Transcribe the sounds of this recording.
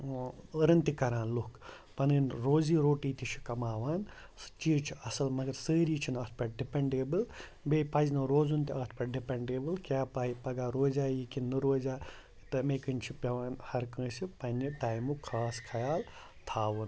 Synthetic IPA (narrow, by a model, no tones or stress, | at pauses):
əɾɐnt̪ikɐɾãːnlukʰ | pɐnɨnɾoːziːɾoːʈiːt̪it͡ʃʰi̥kɐmaːʋaːn | sɨ̥t͡ʃiːt͡ʃʰiʔɐsɐlmɐɡɐɾsəːɾiːt͡ʃʰinɐt̪̚ʰpɐʈɖipeɳɖeːbɨl | beːpɐznɐːɾoːzunt̪iɐːt̪̚ʰpɐɖipɐɳɖeːbɨlkʲjaːpaːipɐɡaːɾoːzaːjikinːɨɾoːzʲaː | t̪ɐmeːkɨnʲt͡ʃʰipʲɐʋaːnhɐɾkə̃ːsipɐnʲːiʈaːjmukʰaːskʰɐjaːl | t̪ʰaːʋɨn